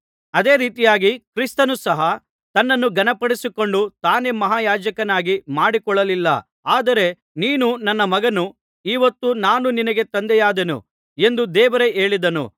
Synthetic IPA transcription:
ɐd̪e̞ːɾiːt̪ijaːɡikɾist̪ɐnusɐɦɐ | t̪ɐnːɐnːuɡɐnɐpɐɽisiko̞ɳɖut̪aːne̞mɐɦaːjaːd͡ʒɐkɐnaːɡimaːɽikɔɭːɐlilːɐ̰ | aːd̪ɐɾe | niːnunɐnːɐmɐɡɐnu | iːʋɐt̪ːunaːnuninɐɡe̞t̪ɐnd̪ɛjaːd̪enṵ | e̞nd̪ud̪ɛːʋɐɾe̞eːɭid̪ɐnṵ

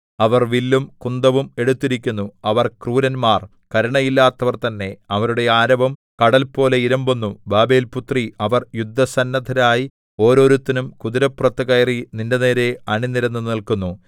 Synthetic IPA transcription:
ɐʋɐrʋilːumkund̪ɐʋume̞ɽut̪ːiɾikʲːunːuɐʋɐrkruːɾɐnmaːr | kɐɾuɳɐjilːaːt̪ːɐʋɐrt̪ɐnːe̞ɐʋɐɾuɽe̞aːɾɐbɐm | kɐɽɐlpo̞ːle̞iɾɐmbunːubaːbe̞ːlput̪riɐʋɐrjud̪ʱːɐsɐnːɐd̪ʱɐɾaːji | o̞ːɾo̞ːɾut̪ːinumkuðiɾɐprɐt̪ːɐɣɐjɐrinindene̞ːɾe̞ɐɳinːiɾɐnːunilkunːu

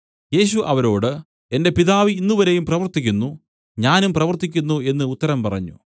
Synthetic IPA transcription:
je̞ːɕ̬uʔɐʋɐɾo̞ːɽɨ | e̞nde̞piðaːʋiinːuʋɐɾe̞jumprɐʋɐrt̪ikʲːunːu | ɲaːnumprɐʋɐrt̪ːikʲːunːue̞nːɨut̪ːɐɾɐmpɐrɐ̰ɲːṵ

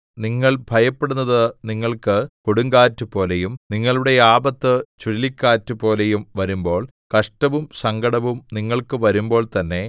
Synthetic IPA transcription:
niŋːɐɭbʱɐjɐpːeɽunːɐðɨniŋːɐɭkɨkoɽuŋɡaːtːupo̞ːlejumniŋːɐɭuɽe̞jaːbɐt̪ːɨt͡ɕuɾlikʲːaːtːupo̞ːlejumʋɐɾumbo̞ːɭ | kɐʂʈɐʋumsɐŋɡɐɽɐʋumniŋːɐɭkɨʋɐɾumbo̞ːɭt̪ɐnːe̞

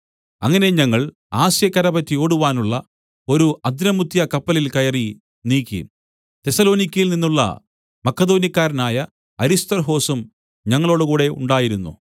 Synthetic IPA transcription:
ɐ̰ŋːɐne̞ɲɐŋːɐɭ | aːɕjɐkːɐɾɐbɐtːijo̞ːɽuʋaːnuɭːɐ | o̞ɾuʔɐd̪ɾɐmut̪ːjɐkɐpːɐlilkɐjɐri | niːkʲːḭ | t̪e̞sɐlo̞ːnikʲːɐjilninːuɭːɐ̰ | mɐkːɐd̪o̞ːnjɐkʲːaːɾɐnaːjɐ | ɐɾist̪ɐrɦo̞ːsum | ɲɐŋːɐɭo̞ːɽukuːɽe̞ṵɳɖaːjiɾunːṵ

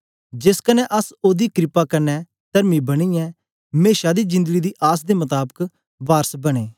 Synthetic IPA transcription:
d͡ʒɪskənɛʔɐsoːd̪iːkɾɪpakɐnɛ | t̪ɐɾmibɐɽ̃iɛː | meːʃad̪id͡ʒɪ̃nd̪əɡid̪iːʔaːs̬d̪emɐt̪aːbək | ʋaːɾsbɐɽ̃eː

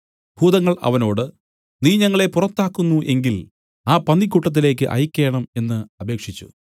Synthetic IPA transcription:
huːd̪ɐŋːɐɭɐ̰ʋɐno̞ːɽɨ | niːɲɐŋːɐɭe̞purɐt̪ːaːkːunːuʔe̞ŋɡil | aːpɐnːikʲːuʈːɐt̪̬ːile̞ːk̬ːɨʔɐ̰jkʲːe̞ːɳɐme̞nːɨɐbe̞ːkʂit͡ɕːṵ

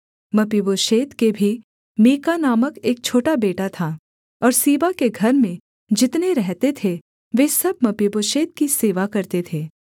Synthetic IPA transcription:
mɐpiboːʃeːt̪kebʱi | miːkanaːməkeːk̚t͡ʃʰoːʈabeːʈat̪ʰa | ɔːɾsiːʋakeɡʱɐɾmẽ | d͡ʒɪt̪neɾɛɦt̪et̪ʰe | ʋeːsɐb̚mɐpiboːʃeːt̪̚kiseːʋakɐɾt̪et̪ʰeː

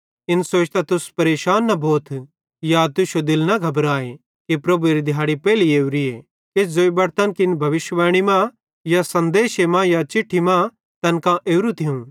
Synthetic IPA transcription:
ɪnsoːt͡ʃt̪at̪ʊspɐɾeːʃaːnːɐboːt̪ʰ | jat̪ʊʃod̪ɪlnɐɡʱɐbɾaːe | kipɾɐbuɾid̪ʱjaːɽipɛːlieːuɾie | ɪsd͡zoːibɐɾt̪ənkɪnbʱɐʋɪʃʋɛːɽ̃imã | jasɐ̃nd̪eːʃemãjat͡ʃɪʈʰːimã | t̪ɐnkãʔeːɾut̪ʰiũ

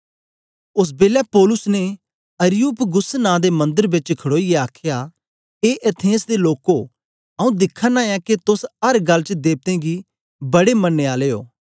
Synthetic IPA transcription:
ʊs̬beːljapoːlʊsne | ɐɾɪjuːpɡʊsnãːd̪emɐ̃nd̪əɾbɪt͡ʃkʰɐɽoːieaːkʰja | eːʔet̪ʰẽːsd̪eloːko | ɐũd̪ɪkʰːanãɛ̃ket̪ʊsɐɾɡɐlːt͡ʃd̪eːb̚t̪ẽɡi | bɐɽemɐnːeaːleo̰ː

